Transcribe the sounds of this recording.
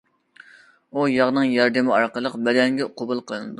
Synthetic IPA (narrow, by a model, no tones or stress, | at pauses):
ujɑʁnɨŋjɑɾd̪ɪmɪɑɾqəlˠəqbɛd̪ɛŋɡʲɛqʰobulˠqʰəlˠɨnɨd̪u